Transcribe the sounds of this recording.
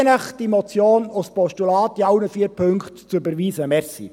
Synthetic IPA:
nəχd̥imɔt͡sjoːnospɔʃtulɑːtiɑwnəfiəɾpʰɵŋktt͡søbəɾʋiːsəmɛɾsḭ

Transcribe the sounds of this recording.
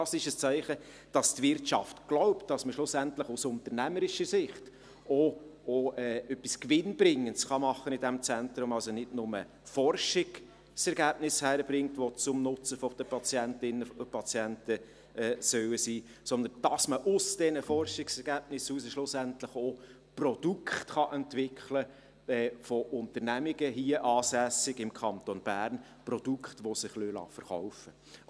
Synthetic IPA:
dɑsɪʃəst͡sæɪχə | d̥ɑstvɪrtt͡ʃɑftɡ̥lɔʊptd̥ɑsməʃlʊsæntləχusʊnt̪əɾnæməɾɪʃəsɪχt | ooɛːœpːiskʋɪnb̥ɾɪŋːəntsχɑmɑχːənɪdɛmt͡sɛntɾʊmɑlsonɪdnʊmə | fɔrʃɪɡ | sɛɾɡæːb̥nɪshæːɾəbɾɪŋtʋɔt͡sʊmnʊt͡səfɔd̪̥əpʰɑt͡sjɛntɪnːəpʰɑt͡sjɛntə | ɛːsœwəsiː | sɔnd̪ənd̥ɑsməʔʊsd̥ɛnəfɔrʃɪksɛɾɡæːb̥nɪsuːsəʃlʊsæntləχo | prɔd̥ukχtχɑʔɛntʋɪkχlə | ɛːfɔʔʊntəɾnæmɪɡəɦiːəʔɑːsæsɪɡɪmkʰɑnt̪onb̥æːɾnprɔd̥ukχtʋɔsɪχlølɑ̰ːfəɾχɔʊfə

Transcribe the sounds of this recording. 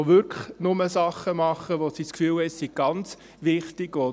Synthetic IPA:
ʋʏɾkʰəχnʊməsɑχːəmɑχəʋosiskfyːlɛsiɡ̥ɑnt͡s | ʋɪχtɪɡo

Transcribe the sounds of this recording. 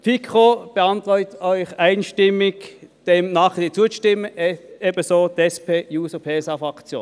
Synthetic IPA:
fikʰχob̥əɑntʁɔʏtœʏχaɪnʃtɪmɪkd̥eːmnɑːχd̥iːt͡suːəʃtɪmːəɛbəsoːdɛspʰeːjuːsəpʰeːsɑfʁɑkt͡sjo̰ː

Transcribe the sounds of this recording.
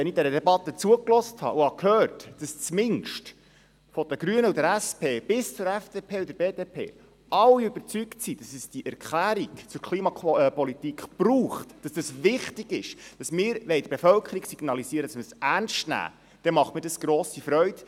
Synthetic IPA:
ʋɛnɪdɛɾədɛbɑt̪ːət͡suəklɔsthɑ̰ʔuhɑkʰhøːrtd̥ɑst͡smɪnʃt | fɔd̥əɡ̥ɾyənəudəɾæspʰeːb̥ɪst͡sʊɾæfd̥eːpʰeːud̪əɾbeːdeːpʰḛː | ʔɑwːiøb̥əɾt͡syktsid̥ɑsɛsd̥iʔɛɾkχlæːɾiɡt͡sʊɾkʰliːmɑpɔlit̪ikχb̥ɾuːχtd̥ɑsd̥ɑsvɪχtiɡɪʃd̥ɑsmɪːɾʋɛɪd̪əb̥efœlkʰəɾiɡsiɡnɑlisiəɾəd̥ɑsməsænʃtnæ̰ː | d̥ɛmɑχtmədɑsɡ̥ɾoːsifɾœʏd̥

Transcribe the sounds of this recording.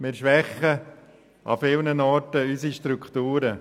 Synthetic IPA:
mɪːɾʃʋɛχə | ʔɑ̰fɪlnənɔɾtəysiʃtɾukχtuːɾə

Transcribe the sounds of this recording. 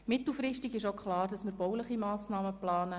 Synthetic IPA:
mɪt̪l̩ˠfrɪʃtiɡɪʃokχlɑːrd̥ɑsməɾbɔwləχimaːsnɑːməplɑːnə

